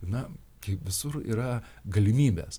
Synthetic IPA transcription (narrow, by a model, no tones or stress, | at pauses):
nɐ | kɐɪpʋʲɪsʊrḭːɾɐɡɐlʲɪmʲiːbʲɛːs